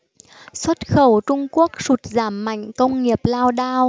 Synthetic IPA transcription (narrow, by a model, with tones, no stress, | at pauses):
swə˦˥t̚xə˧˩wt͡ɕʊ˧ŋ͡mku˦˥ək̚su˨˩t̚zaː˧˩mːa̰˧˨jŋ̟kə˧wŋ͡mŋi˨˩əp̚laː˧wɗaː˧w